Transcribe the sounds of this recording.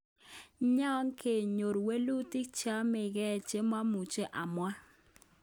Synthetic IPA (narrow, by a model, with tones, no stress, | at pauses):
ɲa˦ŋkʰe˨ɲo˨ɾwe˦lu˦ti˦k̚t͡ʃa˦mɪ˨ɡɛ˦˨t͡ʃe˦mwa˦mu˨t͡ʃe˦ʔa˨mwa˦